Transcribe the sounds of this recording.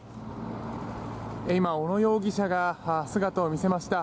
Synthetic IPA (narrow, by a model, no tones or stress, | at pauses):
eimao̞no̞jo̞ːɡʲiɕaɡahasɨɡat̪oːmʲise̞maɕi̥t̪a